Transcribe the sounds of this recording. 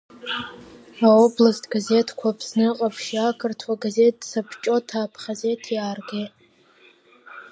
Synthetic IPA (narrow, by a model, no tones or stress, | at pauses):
aoblastʰʼɡaze̞tʰkʷʰapʰsnɨqʼapʰʃiakʰɨrtʰwaɡaze̞t̚ːsapʰt͡ʃʼo̞tʰaːpʰχʲaze̞tʰjaːrɡʲetʼ